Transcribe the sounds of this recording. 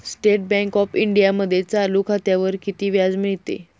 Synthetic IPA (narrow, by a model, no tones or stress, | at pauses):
sʈeʈ̚bɛ̃ŋkɔfiɳɖijaməd̪ʱːjet͡salukʰat̪jaʋəɾkit̪iːʋjad͡zmiɭt̪ḛ